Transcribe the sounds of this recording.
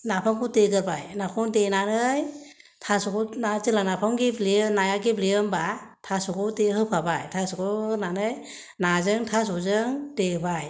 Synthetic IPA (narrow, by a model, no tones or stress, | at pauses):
napʰaŋkuteɡɯɾbajnakʰɔŋtenanɯj | tʰasɔkɔnatɯlanapʰaŋɡiblenajaɡiblijɯmba | tʰasɔkɔwtehɯpʰabajtʰasɔkɔnanɯj | nazɯŋtʰas̬ɔzɯŋtebaj